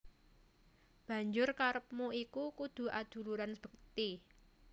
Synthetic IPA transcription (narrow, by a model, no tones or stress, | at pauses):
b̥ä̤ɲd͡ʒʊrkaɾəp̚muikukud̪̥ṳʔad̪̥ṳluɾanb̥ə̤k̚t̪i